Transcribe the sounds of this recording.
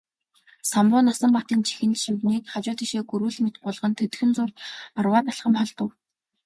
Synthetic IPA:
sampʊːnasə̆mpat̪iːnt͡ɕʰi̥xɘ̆nt̪ʃɵwniːkχat͡ɕʊːt̪iʃeːɡuɾuːɮmet̪̚ɢʊɮʁə̆nt̪ʰɵt̪̆xɘ̆nt͡sʊrt̪arwaːt̪aɬχə̆mχɔɮt̪ə̆w

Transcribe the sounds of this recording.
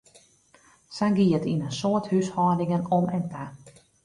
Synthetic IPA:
sanɡiətinənsoəthyshɔːdiŋənɔmɛntʰa

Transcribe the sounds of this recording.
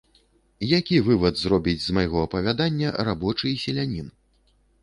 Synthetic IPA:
jakʲivɨvɐd̪zrɔbʲid͡zʲzmajɣɔɐpɐvʲad̪anʲːɐrabɔt͡ʂɨsʲɛlʲanʲin

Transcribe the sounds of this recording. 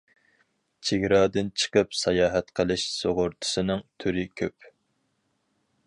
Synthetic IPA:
t͡ʃʰeɡʲɾɑːd̪ɪnt͡ʃʰə̥qəpsɑjɑːɦɛt̪qʰəlˠɨʃsoʁʊɾt̪ʰɨ̥sɨnɨŋt̪ʰyɾɪkʲʰøp

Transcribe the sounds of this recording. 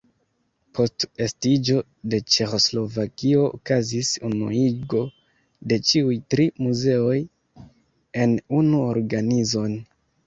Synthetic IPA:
pʰo̞ste̞stid͡ʒo̞ | de̞t͡ʃe̞xo̞slo̞vakio̞ʔo̰kazisunṵiɡo̞ | de̞t͡ʃiujtɾimuze̞o̞j | e̞nunuoɾɡanizo̞n

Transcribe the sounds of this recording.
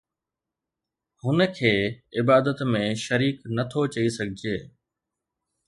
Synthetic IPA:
hʊnə̆kʰeːɪbaːd̪ət̪mẽʃɐɾiːknɐt̪ʰot͡ɕɐisɐɡʱɪd͡ʑeː

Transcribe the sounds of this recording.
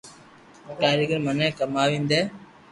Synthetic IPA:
kaːɾəɡəɾmənẽːkəmaːʋĩːnd̪eː

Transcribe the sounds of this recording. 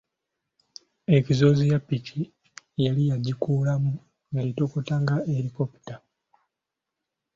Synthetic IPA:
e̞cizo̞zijapːicʰi | jalijaɟikuːlamu | ŋaɾito̞ko̞taŋɡaeɾikopu̥ta

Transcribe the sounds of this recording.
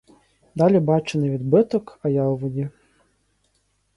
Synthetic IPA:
d̪ɑlʲibɑt͡ʃenɪʋʲid̪bɪt̪ɔkɐjɑwʋɔdʲi

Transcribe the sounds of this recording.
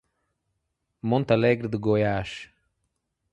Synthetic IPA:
mõnt̪alɛɡɾɨd̪ɨɡojaʃ

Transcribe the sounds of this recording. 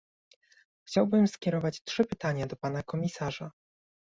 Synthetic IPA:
xt͡ɕawbɘmskʲɛɾɔvat͡ɕtʂɘpɘt̪aɲad̪ɔpanakɔmʲisaʐa

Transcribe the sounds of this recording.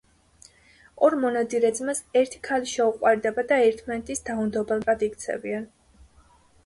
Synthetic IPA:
ɔɾmɔnad̪iɾɛd̪zmasɛɾt̪ʰi̥kʰaliʃɛuqʼwaɾd̪ɛbad̪aɛɾt̪ʰmanɛt̪ʼisd̪aund̪ɔbɛlˠbʼad̪ikt̪sʰɛ̰bian

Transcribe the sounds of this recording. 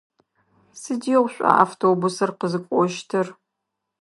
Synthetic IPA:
sɨdiɛʁʷɕʷʼɐ̰ʔa̰ftʰoːbusɐrqəzɨkʷʼɔʃtʰɐr

